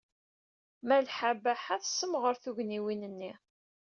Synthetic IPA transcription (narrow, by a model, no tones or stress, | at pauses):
mælħabæħæθsːəmʁəɾθuʝniwinənːi